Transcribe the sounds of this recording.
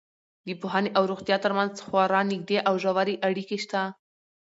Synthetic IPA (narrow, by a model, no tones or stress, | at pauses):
d̪əpoɦaneʔawɾoɣt̪jɑt̪əɾmanzxwɑɾɑnɪɡ̚d̪eʔawʒawaɾiʔaɽikeʃt̪a